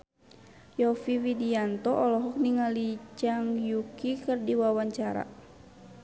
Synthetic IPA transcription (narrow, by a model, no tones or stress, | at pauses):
jɔfiwidiant̪ɔʔɔlɔɦɔk̚niŋalit͡ʃaŋjukikɨrdiwawaɲt͡ʃaɾa̰